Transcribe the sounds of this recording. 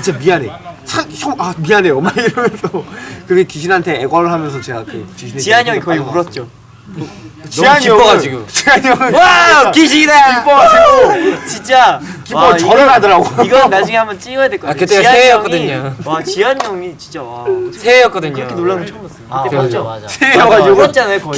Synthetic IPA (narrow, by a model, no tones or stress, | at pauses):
it͡ɕemiane̞̰sʰasʰoamianeʌmːaiɾʌmjʌnsʰʌkɯɡekiɕʰinantʰe̞eɡʌɾɯɭɦamjʌns̬ʰʌt͡ɕe̞ɡakɯt͡ɕiɕʰinet͡ɕiaɲʌŋikʌɡiuɾʌt̚t͡ɕ͈o | t͡ɕaɲiʌʌɡad͡ʑiɡot͡ɕiaɲʌŋɯakiɕʰiekip͈ʌɡad͡ʑiɡot͡ɕint͡ɕ͈akipʌʌɾɯɾadʌɾaɡoiɡʌnnːad͡ʑiŋehambʌnt͡ɕ͈iɡʌjadwe̞ɭk͈ʌaakɯteiaeʌk͈ʌdɯɲaat͡ɕiaɲʌŋit͡ɕint͡ɕ͈awasʰeejʌk͈ʌdɯɲokʰenoɭːamot͡ɕʰos͈ɯ̥ateosʰeejʌɡad͡ʑiɡoʌt͡ɕ͈anajokʌi